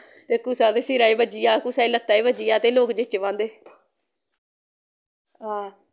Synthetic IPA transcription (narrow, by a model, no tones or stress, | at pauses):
t̪eːkuːsaːt̪eːsɪɾaːiːbəd͡ʒiːjaːkusaːiːlət̪ːaːiːbəd͡ʒijaːt̪eːloːkd͡ʒɪt͡ʃʋãːnd̪eː | ɦaː